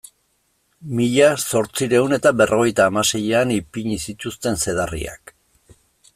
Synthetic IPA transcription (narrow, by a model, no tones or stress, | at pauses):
miʎaso̞ɾt͡siɾe̞une̞t̪abe̞rʔo̞ɣ̞e̞jt̪aːmase̞jeanipiɲisit̪ust̪e̞nse̞ð̞arḭa̰k